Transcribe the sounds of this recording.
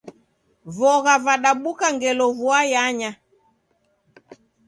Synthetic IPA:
vɔɣavaɗaɓukaŋɡɛlɔvuajaɲa

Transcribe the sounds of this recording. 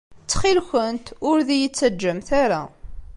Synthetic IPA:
t͡sːχilçənt̪ʊɾðijət͡sːæd͡ʒːəmθaɾa̰

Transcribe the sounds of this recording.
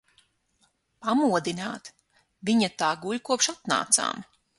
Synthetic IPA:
pamuɔd̪inaːt̪ | viɲat̪aːɡuʎʲkuɔpʃat̪na̰ːt̪sa̰ːm

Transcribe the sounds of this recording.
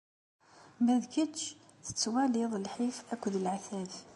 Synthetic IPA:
mæðkət̪ʃ | θə̥t͡sːwæliðˤəlħifækd̪əlʕaθæθ

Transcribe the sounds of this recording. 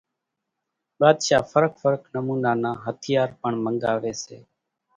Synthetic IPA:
ɓaːd̪ʃaːfəɾək̚ʰfəɾəknəmuːnaːnãːɦət̪ʰɪjaːɾpəɳməŋɠaːʋeːsḛː

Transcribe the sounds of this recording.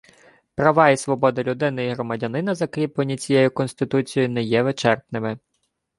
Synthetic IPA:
pɾɐʋɑisʋɔbɔd̪ɐlʲud̪ɪnɪiɦɾɔmɐdʲɐnɪnɐzɐkɾʲiplˠenʲːit͡sʲijɛjʊkɔnst̪ɪt̪ut͡sʲijʊnɛjɛʋet͡ʃɛrp̪nɪmɪ

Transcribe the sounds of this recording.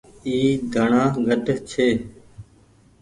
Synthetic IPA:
iːd̪ʱəɳãːɡəɖt͡ʃʰeː

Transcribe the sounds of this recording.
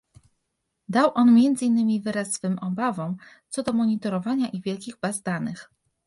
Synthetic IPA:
d̪awʔɔnmʲjɛnd̪zɘinːɘmʲivɘɾasːfɘmʔɔbavɔ̃wt̪sɔd̪ɔmɔɲit̪ɔɾɔvaɲaʔivʲjɛlkʲiɣbazd̪anɘx

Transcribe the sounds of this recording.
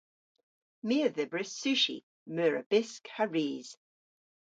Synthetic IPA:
miəðəbɹɪsʉʃḭ | mœːɹə̰b̥ɪskhaɹiːz̥

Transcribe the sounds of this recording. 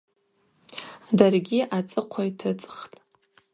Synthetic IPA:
darɡʲiʔat͡sʼɨqʷʰajtʰɨt͡sʼχtʼ

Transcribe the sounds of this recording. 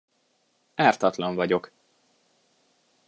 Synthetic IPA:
aːrt̪ɒt̪lɒɱvɒɟo̞k

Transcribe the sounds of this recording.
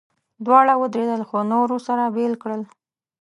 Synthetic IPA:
d̪wɑɽawəd̪ɾed̪əlxonoɾosaɾabelkɽəl

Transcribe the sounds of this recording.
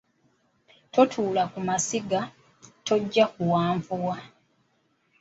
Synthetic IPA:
to̞tʰuːlakumasiɡa | to̞ɟːakuwaːɱvuwa

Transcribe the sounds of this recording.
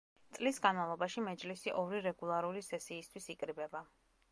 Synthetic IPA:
t̪sʼlisɡanmavlˠɔbaʃimɛd͡ʒlisiʔɔɾiɾɛɡulˠaɾulisɛsiːst̪ʰwisikʼɾibɛba

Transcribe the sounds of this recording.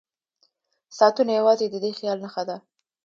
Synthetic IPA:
sɑt̪unajawɑzed̪əd̪exjɑlnaxad̪a

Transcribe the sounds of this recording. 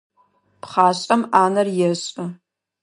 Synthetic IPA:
pχaːɕʼɐmaːnɐrjɛɕʼɨ

